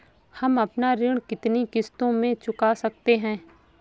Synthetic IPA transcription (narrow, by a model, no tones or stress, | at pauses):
hɐmɐpnaɾɪɽ̃kɪt̪nikɪst̪õmẽt͡ʃʊkasɐk̚t̪eɦɛ̃ː